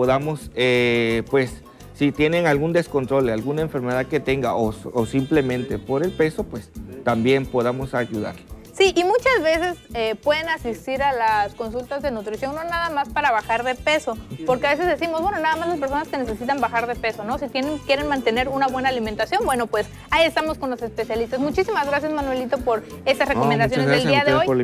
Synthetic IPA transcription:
poðamo̞sepwe̞sː | it̪je̞ne̞ŋalɣund̪e̞sko̞nt̪ɾo̞lalɣunaeɱfe̞ɾme̞ðaðket̪e̞ŋɡaʔoosimple̞mẽ̞nt̪epo̞ɾe̞lpe̞so̞pwe̞st̪ambje̞npo̞ðamo̞saʝuða̰ɾlesiʔimut͡ʃazβe̞se̞sepwe̞ðe̞nasist̪iɾalasko̞nsult̪azðe̞nut̪ɾisjo̞ŋnonaðamaspaɾaβaxaɾðe̞pe̞so̞po̞ɾkeaβe̞s̬e̞zðe̞simo̞zβwe̞no̞naðamazlas̬peɾso̞naske̞ne̞se̞sit̪ambaxaɾðe̞pe̞so̞no̞sit̪jeneŋkjeɾe̞nmãnt̪e̞ne̞ɾunaβwe̞naːliment̪asjo̞nbweno̞pwe̞s | aie̞st̪amo̞sko̞nlo̞se̞spe̞sjalist̪azmut͡ʃisimazɣɾas̬jazmanwe̞lit̪o̞po̞ɾ | e̞st̪asreko̞mend̪as̬jonðeld̪iaðeoj

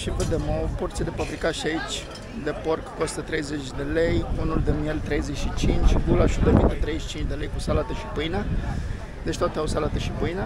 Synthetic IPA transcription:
ʃipəd̪emoport̪sied̪efabɾikaʃiait͡ʃʲ | d̪epo̞rkko̞st̪ət̪ɾe̞jze̞t͡ʃʲd̪e̞le̞junuld̪emjelt̪ɾe̞jzeʃit͡ʃint͡ʃʲɡ̪ulaʃud̪eminət̪ɾezeʃi̥t͡ʃint͡ʃʲd̪e̞le̞jkusalat̪əʃipɨjnə | d̪et͡ʃʲt̪at̪eawsalat̪əʃipɨjnə

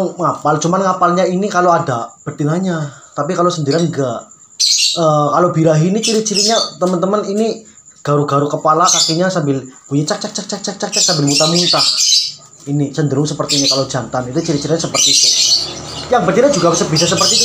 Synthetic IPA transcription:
ŋŋapalt͡ʃumanŋapalɲainikaloadab̥əd̪iŋaɲat̪apikalosəndiɾanɡaʔ | əːkalobiɾaɦinit͡ʃiɾit͡ʃiɾiɲat̪əmənt̪əmənini | ɡ̥aɾuɡ̥aɾukəpalakakiɲasambɪlb̥uɲat͡ʃak̚t͡ʃak̚t͡ʃak̚t͡ʃak̚t͡ʃak̚t͡ʃak̚t͡ʃak̚sambɪlmut̪amunt̪ah | inisəndəɾʊŋsəpərt̪iːnikalod͡ʒant̪anit̪ut͡ʃiɾit͡ʃiɾiɲasəpərt̪it̪u | jaŋbərd̪iɾɲad͡ʒuɡasəbisasəpərt̪i

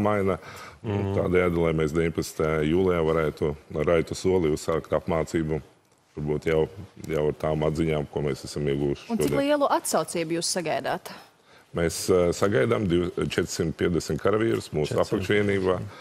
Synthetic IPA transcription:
majna | t̪aːd̪ɛjaːd̪alˠajmeːsd̪ʲeʋiɲʲpɐt̪snt̪ajajuːlˠɛjavaɾæːt̪uɾajt̪usuɔlˠiussaːkt̪apmaːt̪siːbu | ʋaɾbuːt̪jawjawaɾt̪aːmad̪ziɲaːmkuɔmeːsæsamiɛɡuːʊʃʃunuɔdk̪ilˠiɛlˠuʔat̪sawt̪siːbʊjuːssaɡajd̪aːt̪ | meːssaɡajd̪amd̪iwt͡ʃɛt̪ɾ̥simt̪̚pʲiɛd̪ʲesmʲt̪kaɾaviːɾʊsmuːsapakʃʋiɛniːbaː

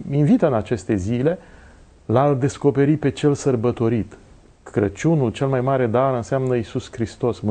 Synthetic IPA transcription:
invit̪ɨnat͡ʃe̞st̪e̞zile̞ | lald̪e̞sko̞pe̞ɾipe̞t͡ʃelsərbət̪o̞ɾit̪ | kɾət͡ʃunult͡ʃe̞lmajmaɾe̞d̪aɾɨnseamnəisuskɾist̪o̞sm

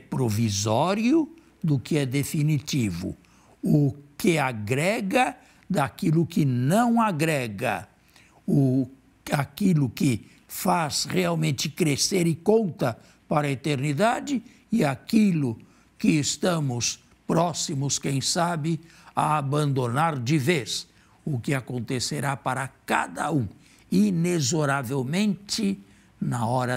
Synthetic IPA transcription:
pɾovizɔɾjʊ | d̪ʊkɪɛd̪efinitivʊ̰ | ʊkɪaɡɾɛɡɐ | d̪akilʊkɪnɐ̃w̃aɡɾɛɡɐ̰ | ʊ | akilʊkɪ | fasʁeawmẽnt͡ʃ̪ɪkɾeseɾɪkõnt̪ɐ | paɾɐet̪eɾnid̪ad͡ʒɪ | ɪakilʊ | kɪːst̪ɐ̃mʊs | pɾɔsimʊskẽj̃sabɪ | aabɐ̃nd̪onaɾd͡ʒɪves | ʊkɪakõnt̪eseɾapaɾɐka̰d̪ɐũ | inezoɾavewmẽnt͡ʃɪ | nɐɔɾɐ

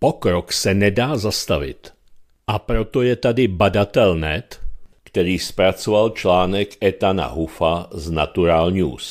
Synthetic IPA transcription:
pɔkɾɔksɛnɛdaːzast̪aʋɪ̰t̪ | ʔapɾɔt̪ɔjɛt̪ad̪ɪbadat̪ɛlnɛt̪kt̪ɛɾiːspɾat͡sɔvalt͡ʃlaːnɛkɛt̪ana̰ɦufaznat̪uɾaːlɲṵːs

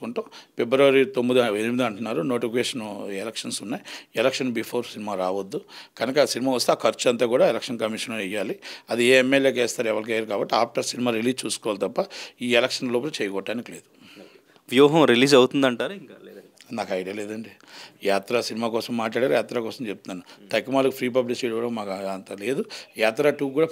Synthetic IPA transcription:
kuɳʈuːpebɾɐʋɐɾit̪omːid̪uenimid̪ɐɳʈunːaːɾuno̞ːʈifʰikeːʂɐnɛlekʂɐnsunːaːjɛlɐkʂɐnbiːpʰoːɾsinimaːɾaːʋɐd̪ːukɐnɐkɐsinimaːʋɐst̪eːkʰɐɾt͡ʃɐnt̪aːkuːɽaːɛlɐkʂɐnkɐmiʂɐnːɛjːaːliɐd̪ieːemːeljeːk̬eːst̪aːɾɛʋɐɽɐk̬ajaɾukaːbɐʈːiaːp̚ʰʈɐɾsinimaːɾiliːd͡ʒt͡ʃuːsu̥kɔːʋalit̪ɐpːɐiːelekʂɐnloːplɐt͡ʃeɛːjɐkɔʈːaːnikile̞ːd̪u | ʋjuːɦɐ̃mɾiliːd͡ʒɐwut̪und̪ɐɳʈaːɾiŋkːnaːkɐjɖiɐleːd̪ɐɳɖijaːt̪ɾasinimaːkɔːsɐmːaːʈlaːɽeaːɾujaːt̪ɾaːkɔːsɐmt͡ʃep̚t̪unaːnut̪ɐkːimaːlukupʰɾiːp̬ɐblikt͡ʃejɽɐʋɐɽɐmmaːkːnt̪ale̞ːd̪ujaːt̪ɾaːʈuːk̬uːɽaː

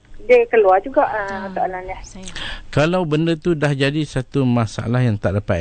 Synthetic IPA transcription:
dəkəluad͡ʒuɡaʔat̪aʔalanjahkalawbəndət̪udahd͡ʒadisat̪umãsaa̰lahjaŋt̪aʔdapa

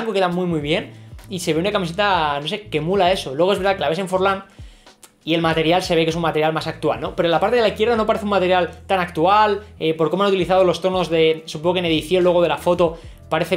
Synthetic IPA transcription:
aŋkoke̞ðamujmujβ̞je̞nise̞βeunakamis̬e̞t̪ano̞s̬e̞ke̞mulae̞so̞lwe̞ɣeβɾðakelaβe̞sẽɱfo̞ɾlan | ie̞lmat̪e̞ɾjalse̞βe̞kes̬unmat̪eɾjalmasak̚t̪ua̰lno̞pe̞ɾolapaɾt̪eðlaiθkjeðano̞paɾe̞θumat̪e̞ɾjalt̪anakt̪ualepoɾkomanut̪iliθaðo̞lo̞st̪o̞no̞zðe̞supoŋɣkene̞ðiθjo̞nlwe̞ɣ̞o̞ð̞e̞lafo̞t̪o̞ | paɾe̞θe

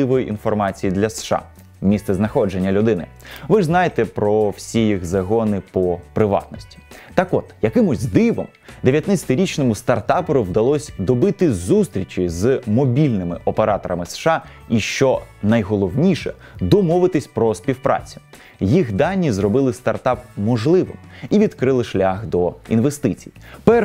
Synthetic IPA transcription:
ɪʋɔjiʔinfɔrmɑt͡sʲijid̪lʲɐsʃɑ̰ | mʲist̪sɛznɐxɔd͡ʒe̞nʲːɐlʲʊd̪ɪnɪ̰ | ʋɪʐznɑjet̪ɛpɾɔwsʲijixzɐɦɔnɪpɔpɾɪʋɑ̰t̪nɔsʲtʲi̥t̪ɑkɔt̪jɐkɪmʊzʲd̪ɪʋɔ̰m | d̪eʋʲjɐt̪nat͡sʲɐ̥t̪ɪɾʲit͡ʃnɔmʊst̪ɐrt̪ɑpɔɾʊwd̪ɐlˠɔsʲd̪ɔbɪt̪ɪzust̪ɾʲit͡ʃɪzmɔbʲilʲnɪmɪʔɔpeɾɑt̪ɔɾɐmɪsʃɑ | iʃt͡ʃɔnɐjɦɔlˠɔwnʲiʃɛ̰ | d̪ɔmɔʋɪt̪ɪsʲpɾɔspʲiwpɾɑ̰t͡sʲʊ̥ | jixd̪ɑnʲːizrɔbɪlˠɪst̪ɐrt̪ɑp̚mɔʒlˠɪʋɪ̰miʋʲid̪kɾɪlˠɪʃlʲaxd̪ɔinʋest̪ɪt͡sʲḭjipɛ

